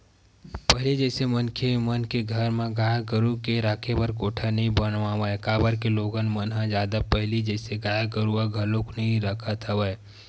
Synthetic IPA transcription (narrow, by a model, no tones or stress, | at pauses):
pəɦɪlid͡ʒɛːsemənkʰemənkeɡʱəɾmẽɡaːjaɡəɾukeɾaːkʰebəɾkoːʈʰanəɦĩbənʋawəkaːbəɾkeloːɡənmənɦãd͡ʒjaːd̪apəɦlid͡ʒɛːseɡaːjaɡəɾuaɡʱɐlõknəɦĩɾəkʰət̪əwəe